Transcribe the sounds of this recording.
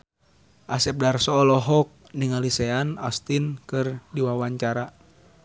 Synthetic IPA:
ʔasɛp̚darsɔlɔɦɔk̚niŋalisɛanast̪inkɨrdiwawaɲt͡ʃaɾa

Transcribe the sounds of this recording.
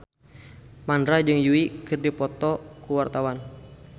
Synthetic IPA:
mandɾad͡ʒɨŋjuikɨrdipɔt̪ɔkuwart̪awan

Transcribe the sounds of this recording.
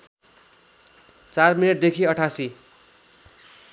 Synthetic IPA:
t͡sarminʌʈd̪ekʰiʌʈʰasi

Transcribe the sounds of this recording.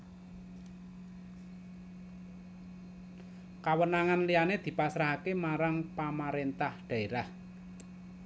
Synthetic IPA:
kawənaŋanlianed̪̥i̤pasɾaɦakemaɾaŋpamaɾent̪ahɖ̪̥ä̤eɾah

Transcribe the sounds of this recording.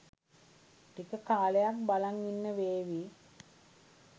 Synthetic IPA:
ʈikəkaːlejak̚balaŋinːəʋeːʋi

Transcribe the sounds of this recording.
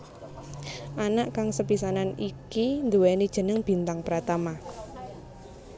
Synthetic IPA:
ʔanaʔkaŋsəpisananikind̪uwɛned̥ʒ̥ə̤nəŋb̥i̤nt̪aŋpəɾat̪ama

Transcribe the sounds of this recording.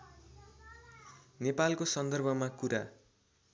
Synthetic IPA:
nepalkosʌnd̪ʌrbʱʌmakuɾa

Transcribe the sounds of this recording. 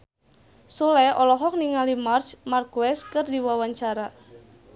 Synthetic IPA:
sulɛʔɔlɔɦɔk̚niŋalimart͡ʃmarkuɛskɨrdiwawaɲt͡ʃaɾa

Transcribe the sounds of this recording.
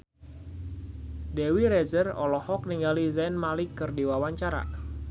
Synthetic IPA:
dɛwiɾɛzərɔ̰lɔhɔk̚niŋɡalizɛnmalɪkɨrdiwawaɲt͡ʃaɾa̰

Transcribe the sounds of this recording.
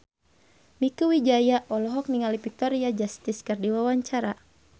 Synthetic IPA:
mikuwid͡ʒajaʔɔlɔɦɔk̚niŋalipik̚t̪ɔɾiad͡ʒast̪iskɨrdiwawaɲt͡ʃaɾa

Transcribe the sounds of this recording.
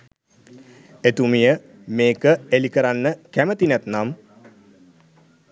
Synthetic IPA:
et̪umijə | meːkəelikəɾanːəkæmət̪inæt̪nam

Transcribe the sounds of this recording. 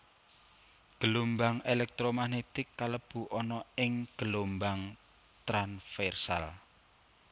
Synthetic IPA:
ɡ̥əlombaŋelɛk̚t̪ɾomanet̪ɪkːaləb̥ṳʔɔnɔɪŋɡ̥əlombaŋ | t̪ɾanfɛrsa̰l

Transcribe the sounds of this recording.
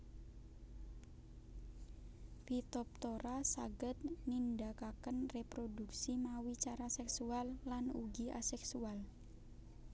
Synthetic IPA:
pit̪ɔp̚t̪oɾasa̰ɡət̪̚nindakakənrepɾoduk̚simawit͡ʃaɾasɛksualːanuɡiʔa̰sɛksual

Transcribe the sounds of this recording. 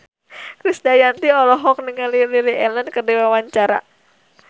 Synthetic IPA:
kɾisdajant̪iɔlɔɦɔk̚nəŋalililiʔɛlənkərdiwawaɲt͡ʃaɾa̰

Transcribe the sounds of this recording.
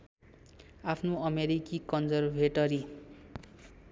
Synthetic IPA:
apʰnoʌmeɾikikʌnd͡zʌrbʱeʈʌɾi

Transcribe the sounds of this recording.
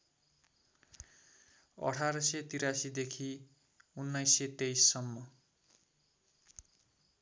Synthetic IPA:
ʌ̰ʈʰaɾʌset̪iɾasid̪ekʰi | unːajset̪ejsːʌmːʌ

